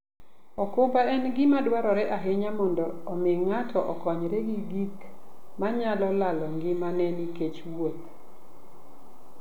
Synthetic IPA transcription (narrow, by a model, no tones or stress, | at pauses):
ɔkobaɛnɡɪmadwaɾɔɾɛʔaɦɪɲamɔndɔːmɪŋatʰɔʔɔkɔɲɾɛɡiɡikmaɲalɔlalɔŋɡɪmanɛniket͡ʃwwot̪̚